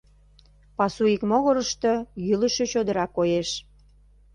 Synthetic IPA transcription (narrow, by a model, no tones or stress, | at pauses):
pɑsuikmoɣoɾəʃt̪ɤ̆jyləʃĕt͡ɕod̪əɾɑkːojeʃ